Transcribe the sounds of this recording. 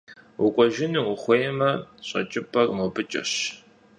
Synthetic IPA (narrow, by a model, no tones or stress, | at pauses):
ʊkʷʼɔʒɪniʊχʷejɛmɐɕʼɐ̰t͡ʃʼɪpʰʼɐrmobɨt͡ʃʼɐ̰ɕ